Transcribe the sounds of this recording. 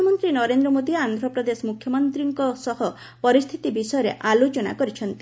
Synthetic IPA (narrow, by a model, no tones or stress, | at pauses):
ɔmɔnt̪ɾinɔɾend̪ɾɔmod̪iand̪ʱɾɔpɾɔd̪esɔmukʰjɔmɔnt̪ɾiŋkɔsɔɦɔ | pɔɾist̪ʰit̪ibisɔjɔɾḛʔalot͡ʃɔna̰kɔɾit͡ʃʰɔnt̪i̥